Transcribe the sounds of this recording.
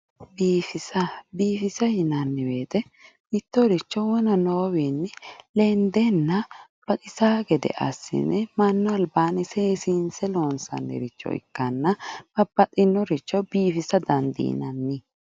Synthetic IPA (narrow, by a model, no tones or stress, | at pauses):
biːfɪsɐbiːfɪsɐjɪnɐnːɪbeːt̪ɛ | bɪt̪ːɔɾɪt͡ʃːɔwɔnɐnoːwinːɪlɛnd̪ɛnːɐb̥ɐt̪ʼɪsaːɡɛd̪ɛ̰ʔɐ̰sːɪ̰nɛmɐnːɔɐlbaːnɪseːsinsɛloːnsɐ̰nːɛ̰ɾɪt͡ʃːɔ̰ɪ̰kːɐnːɐb̥ɐbɐt̪ʼɪnːɔɾɪt͡ʃːɔbiːfɪsɐd̪ɐnd̪ḭjɪ̰nɐnːɪ